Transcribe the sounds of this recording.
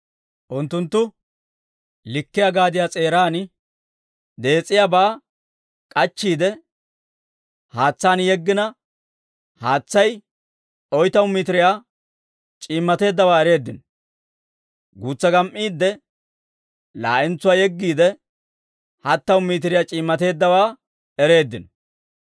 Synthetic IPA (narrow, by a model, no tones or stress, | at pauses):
ʔʊnt̪ːʊnt̪ːʊ | lɪkːɪjɐɡaːd̪ɪjaːt͡sʼeːɾaːn | d̪e̞ːt͡sʼːɪjaːbaː | kʼɐt͡ʃːiːd̪ɛ | haːt͡sːaːnjɛɡːɪnɐ | haːt͡sːɐj | ɔjt̪ɐwmit̪ɪɾɪjaː | t͡ʃʼiːmːɐt̪e̞ːd̪ːɐwaːɛɾe̞ːd̪ːɪn | ɡuːt͡sːɐɡɐmʔiːd̪ːɛ | la̰ːʔɪnt͡sːʊwaːjɛɡːiːd̪ɛ | hɐt̪ːɐwmiːt̪ɪɾɪjaːt͡ʃʼiːmːɐt̪e̞ːd̪ːɐwaː | ɛɾe̞ːd̪ːɪn